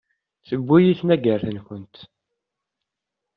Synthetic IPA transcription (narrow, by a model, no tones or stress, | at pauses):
θəbːujiθnæɡəɾθənçənt̪